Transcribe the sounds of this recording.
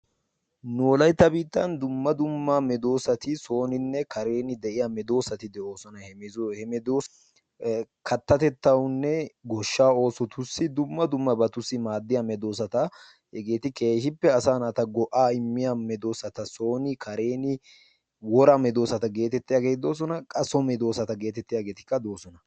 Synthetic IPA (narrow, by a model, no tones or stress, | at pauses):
noːlɐjt̪ːɐbiːt̪ːɐnd̪ʊmːɐd̪ʊmːɐmɛd̪o̞ːsɐt̪ɪso̞ːnɪnːɛkɐɾe̞ːnɪd̪ɛʔɪjamɛd̪o̞ːsɐt̪ɪd̪ɛo̞ːsɔnɐhɛmɪhɛmɛd̪oː | kɐt̪ːɐt̪ɛt̪ːɐwʊnːɛɡɔʃːaːo̞ːsɔt̪ʊsːɪd̪ʊmːɐd̪ʊmːɐbɐt̪ʊsːɪmaːd̪ːɪjamɛd̪o̞ːs̬ɐt̪ɐ | hɛɡe̞ːt̪ɪke̞ːʃɪpːɛɐsaːnat̪ɐɡɔʔaːɪmːɪjamɛd̪o̞ːsɐt̪ɐso̞ːnɪkʰɐɾe̞ːnɪ | wɔɾɐmɛd̪o̞ːsɐt̪ɐɡe̞ːt̪ɛt̪ːɪjaːɡeːt̪ɪd̪o̞ːs̬ɔnɐkʼɐsɔmɛd̪o̞ːsɐt̪ɐɡe̞ːt̪ɛt̪ːɪjaːɡeːt̪ɪ̥kːɐd̪o̞ːsɔnɐ